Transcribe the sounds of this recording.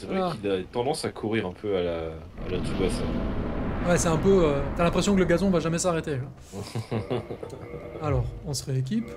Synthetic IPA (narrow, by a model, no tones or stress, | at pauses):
sɛvʁɛakilat̪ɑ̃d̪ɑ̃sakʰuʁiʁɛ̃pʰøala̰ː | lad̪t̪uɡasɛ̃ | wɛsɛɛ̃pøøt̪yalɛ̃pχesjɔ̃kələɡazɔ̃vaʒamɛsaʁet̪eã | alɔːʁɔ̃sʁeek̬ʲip